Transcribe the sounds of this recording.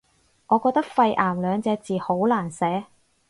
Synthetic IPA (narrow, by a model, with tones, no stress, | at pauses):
ŋɔː˨˧kɔː˧k̚t̪ɐ˥k̚fɐ˧jʔaː˨˩mlœː˨˧ŋt͡sɛː˨˧t͡siː˨ho˨˥wlaː˨˩nsɛː˨˥